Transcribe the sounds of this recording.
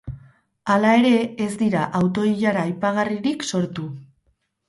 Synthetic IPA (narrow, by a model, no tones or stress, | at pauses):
alae̞ɾe̞ezd̪iɾaʔawt̪o̞iʎaɾaːjpaɣ̞ariɾikso̞ɾt̪u